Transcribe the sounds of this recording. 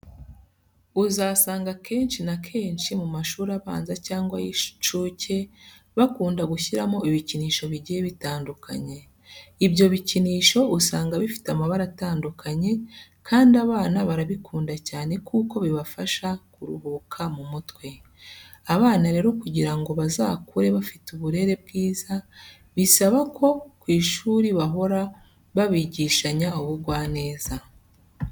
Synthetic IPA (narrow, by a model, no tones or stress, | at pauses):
uzasaːŋɡakʰe̞ːnʃinakʰe̞ːnʃimumaʃuːɾaβa̰ːnzacaːŋɡwa̰ji̥t͡ʃuːce̞ | βakuːndaɡuçiɾamo̞iβiciniːʃo̞βiɟijeβitaːndukʰa̰ɲe̞ | ibjo̞βiciniːʃo̞ʔusaːŋɡaβifi̥teamaβaɾataːndukʰaɲe̞ | kʰaːndiaβaːnaβaɾaβikʰuːndacaːne̞kuːko̞βiβafaʃakuɾuhuːkʰamumutwe̞ | aβaːnaɾe̞ːɾo̞kuɟiɾaŋɡo̞βazaːkuɾe̞βafituβuɾe̞ɾe̞b̚ɡiːza | βisaβakʰo̞kwiːʃuːɾiβaɦo̞ɾa | βaβiːɟiːʃaɲauβuɡwaːne̞ːz̥a